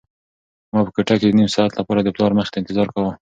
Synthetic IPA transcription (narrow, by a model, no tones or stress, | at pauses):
mɑpəkaʈaked̪ənimsɑat̪lapɑɾad̪əplɑɾməxe̥t̪aɪnt̪ɪzɑɾkawə